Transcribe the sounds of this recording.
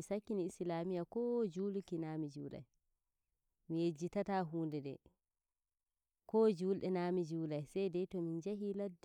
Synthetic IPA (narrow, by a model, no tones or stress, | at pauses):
isakːiniislaːmijakɔd͡ʒuːlkinaːmid͡ʒuːla̰j | mijed͡ʒːitataːɦuːndɛdɛ̰ | kɔːd͡ʒuːlɗɛnaːmid͡ʒuːlajsɛjdɛjtɔmind͡ʒaɦiladː